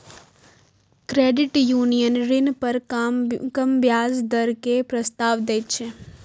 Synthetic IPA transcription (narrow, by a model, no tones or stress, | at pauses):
kɾeːɖɪʈjuːnijənɾɪnpɐɾ | kɐmbjaːzd̪ɐɾkepɾɐst̪aːʋd̪eːt̪t͡ʃʰe